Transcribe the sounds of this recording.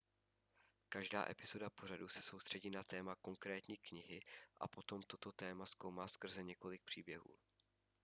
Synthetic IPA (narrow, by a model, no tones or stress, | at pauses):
kaʒda̰ːʔɛpɪz̥o̞dapo̞r̝adusɛ̥so̞wst̪r̝̥ɛɟiːnat̪ɛːmako̞ŋkɾɛːt̪ɲiːkɲɪɦɪʔa̰po̞t̪o̞mt̪o̞t̪o̞t̪ɛːmaskowmaːskr̩zɛɲɛko̞lɪk̚pr̝̥iːbjɛɦṵː